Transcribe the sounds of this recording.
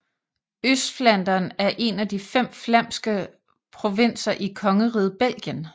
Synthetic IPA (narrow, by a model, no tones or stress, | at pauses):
øsd̥flæn̰d̥ɐːnæɐʔe̝næd̥ifem̰flæm̰sɡ̥ə | pʰʁo̝ʋen̰sɐʔikʰɒ̽ŋəʁiːð̞̩ˠb̥el̰ɡ̥jən